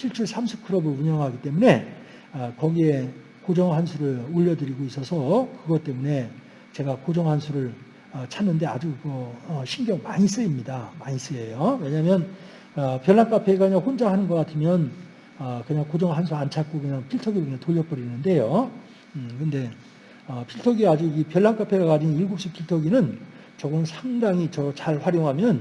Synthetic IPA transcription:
ɕʰiɭt͡ɕʰuɭsʰamsʰɯ̥p̚kʰɯɾʌbɯɭuɲʌŋɦaɡit͈e̞mune̞ | ʌkʌɡie̞ | kod͡ʑʌŋɦansʰuɾɯɭuʎːʌdɯɾiɡois͈ʌsʰʌkɯɡʌt͈e̞mune̞ | t͡ɕe̞ɡakod͡ʑʌŋɦansʰuɾɯɭ | ʌt͡ɕʰanːɯnde̞ad͡ʑumʌʌɕʰinɡjʌŋmaɲis͈ɯimɲidamaɲis͈ɯe̞jowe̞ɲamjʌn | ʌpjʌɭːank͈apʰe̞ɡakɯɲaŋɸond͡ʑaŋɦanɯnɡʌk͈atʰɯmjʌn | ʌkɯɲaŋkod͡ʑʌŋɭɦansʰuant͡ɕʰat̚k͈okɯɲaŋpʰiɭtʰʌɡiɯnaŋtoʎːjʌp͈ʌɾinɯnde̞jo | kɯnde̞ | ʌpʰiɭtʰʌɡiad͡ʑuipjʌɭːank͈apʰe̞ɡakad͡ʑiniɭɡop̚ɕ͈ipʰiɭtʰʌɡinɯn | t͡ɕʌɡʌnɯnsʰaŋdaŋit͡ɕʌt͡ɕaɭɸwaɾjoŋɦamjʌn

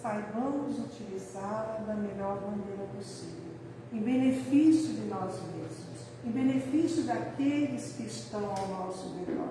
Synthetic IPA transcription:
sajvɐ̃mʊzut͡ʃilizalɐd̪ɐmenɔɾmɐneɾɐpos | ivew | ɪ̃bẽnefisjʊd̪ɪnɔzmezmʊs | ɪ̃bẽnefisjʊd̪ɐkelɪskɪʃt̪ɐ̃w̃awnɔwsʊveka̰

